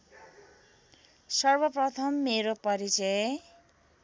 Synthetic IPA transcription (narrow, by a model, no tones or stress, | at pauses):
sʌrbʌprʌt̪ʰʌmːeɾopʌɾit͡sʌj